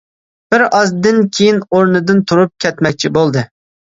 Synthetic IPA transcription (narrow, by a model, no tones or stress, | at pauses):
b̥ɪɾɑzd̪ɨnkʲʰejinoɾnɨd̪ɨnt̪ʰuɾup̚kʲʰɛt̪mɛk̚ʲt͡ʃʰibolˠd̪ɨ